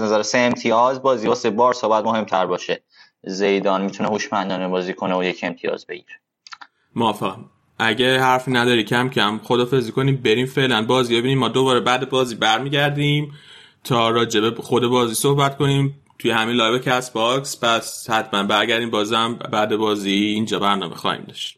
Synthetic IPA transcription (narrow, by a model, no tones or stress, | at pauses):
znæzæɾeseːmt̪ʰiɒzbɒːzibɒsebɒːɾsobæt̪mohe̞mt̪ʰæɾbɒːʃe | zejd̪ɒːnmit̪ʰunehuʃmænd̪ɒːnebɒːziːkʰoneojecʰemt̪ʰijɒ̰ːzbe̞̰ɟiɾe | moæfeɣæn | ʔæɟehæɾfiːnæd̪ɒːɾiːcʰæmcʰæmxod̪ɒːfezikʰo̞niːmbe̞ɾiːmfe̞ʔlænbɒːziːbe̞biːniːmmɒːd̪o̞bɒːɾebæːd̪e̞bɒːziːbæɾmiːɟæɾd̪iːm | t̪ʰɒːɾɒːd͡ʒe̞be̞xo̞d̪e̞bɒːziːso̞hbæt̪kʰo̞niːm | t̪ʰujehæmiːlɒːjvecʰæsbɒkspʰæshæt̪ʰmænbæɾɟæɾd̪iːmbɒːzæmbæːd̪e̞bɒːziːnd͡ʒɒːbæɾnɒ̰ːmḛxɒ̰ːhḭːmd̪ɒʃt̪